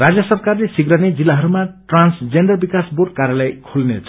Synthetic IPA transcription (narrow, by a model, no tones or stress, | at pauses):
rad͡zjʌsʌrkarlesiɡɾaned͡zilːaɦʌɾumaʈransd͡zeɳɖʌrbikasbur̚kaɾjalajkʰulnḛt͡sʰ